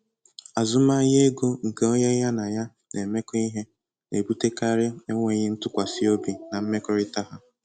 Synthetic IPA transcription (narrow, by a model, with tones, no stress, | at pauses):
a˨zʊ˦ma˦je˦ɡo˦ŋ̩˨ke˦o˦ɲe˦ja˦na˨ja˦ | nʔe˨me˦kɔ˦i˦ɦe˦ | ne˨bu˦te˦ka˦ɾɪ˦e˦ŋʷe˨ɲɪ˦n̩˦tʊ˦kʷa˨sɪ˦o˦bi˨na˨m̩˦me˦kɔ˦ɾɪ˦ta˦ɦa˨